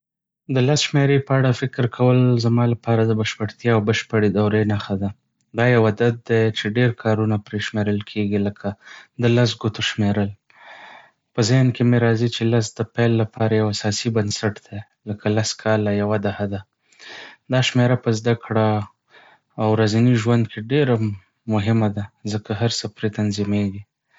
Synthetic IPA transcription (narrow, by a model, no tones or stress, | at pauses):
d̪əlasʃmeɾepəaɽafɪkɾkʰawəlzamɑlapɑɾad̪əbaʃpəɽt̪jɑawbəʃpəɽed̪awɾenaxad̪a | d̪ɑjawad̪ad̪̚d̪et͡ʃeɖeɾkʰɑɾunapɾeʃmeɾəlkʰeɡiləkʰad̪əlas̬ɡut̪oʃmeɾəl | pəzankemeɾɑzit͡ʃelasd̪əpajlːapʰɑɾajawasɑsibənsaʈd̪̥a | ləkʰalaskʰɑlajawad̪ahad̪a | d̪ɑʃmeɾapəzd̪akɽa | wɾazaniʒwand̪kʰeɖeɾa | mʊɦɪmad̪azəkaɦaɾsəpɾet̪anzimeɡi